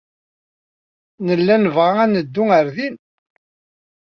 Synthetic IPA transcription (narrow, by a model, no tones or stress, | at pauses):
nəlːænəvʁaænəd̪ːʊəɾðin